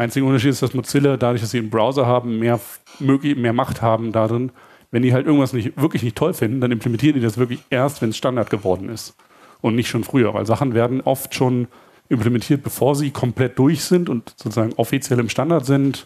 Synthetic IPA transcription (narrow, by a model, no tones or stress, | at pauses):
aɪnt͡sɪɡʔʊntɐʃiːtɪstd̥asmʊt͡sɪlɐdadʊɐçd̥asz̥iːɪnbʁaʊzɐɦaːbm̩meːɐ | møːklɪçmeːɐmaχthaːbm̩dadʁɪn | vɛndiːɦaltʔɪɡŋ̩tv̥asnɪçv̥ɪɐklɪçnɪçtʰɔlfɪndn̩d̥anɪmplɛmɛntʰiːʁəndiːdasv̥ɪɐklɪçʔeːɐstv̥ɛnɛsʃtandaɐt̚ɡ̥əvɔɐdn̩ɪst | ʔʊntnɪçtʃoːnfʁ̥yːɐvaɪlzaχn̩veːɐdn̩ʔɔftʃoːn | ʔɪmplɛmɛntʰiːɐt̚b̥əfoːɐziːkʰɔmpl̥ɛt̚d̥ʊɐçz̥ɪntʊntz̥oːt͡suzaːɡŋ̩ʔɔfit͡sjɛlɪmʃtandaɐtz̥ɪnt